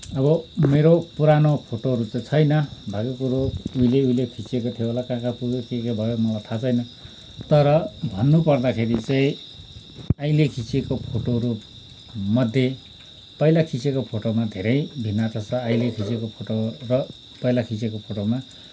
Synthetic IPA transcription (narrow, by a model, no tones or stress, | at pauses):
ʌbʌmeɾopuɾanopʰoʈoɦʌɾut͡sait͡sʰʌjnʌbʱaɡokuɾouileuilekʰit͡siekot̪ʰioolakãkapuɡekikebʱʌjomʌlajt̪ʰat͡sʰʌjnʌ | t̪ʌɾʌbʱʌnːupʌrd̪akʰeɾit͡saĩ | ajlekʰit͡sekopʰoʈoɦʌɾu | mʌd̪ʱːje | pʌjlakʰit͡sekopʰoʈomad̪ʱeɾʌjbʱinːat̪ʰat͡sʰʌajlekʰit͡sekopʰoʈorʌ | pʌjlakʰit͡sekopʰoʈoma